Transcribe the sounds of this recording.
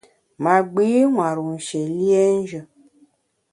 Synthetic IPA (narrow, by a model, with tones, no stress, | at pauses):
ma˨ɡ͡bi˦ŋʷa˨ɾu˨n̩˨ʃe˨li˦e˦n̩˦ʒə˧